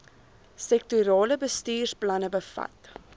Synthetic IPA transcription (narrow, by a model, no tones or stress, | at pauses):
sɛk̚tyɾɑːləbəstiːrsplɐnəbəfɐ̰t